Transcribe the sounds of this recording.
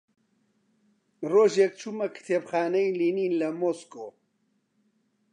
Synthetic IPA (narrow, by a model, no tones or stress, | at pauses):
roːʒek̚t͡ʃʰumɐkʰɨ̥t̪ʰeːbxaːnɐjliːniːnlɐmoːskoː